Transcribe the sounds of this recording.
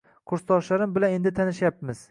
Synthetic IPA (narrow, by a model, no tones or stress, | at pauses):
qʰʊɾst̪ɒʃlaɾɪmbɪlane̞nd̪ɪt̪ʰanɪʃjapmɪz̥